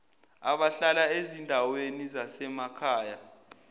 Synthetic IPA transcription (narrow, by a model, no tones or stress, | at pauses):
a̰ɓaɬalaezindʱawenizasɛmakʰaːja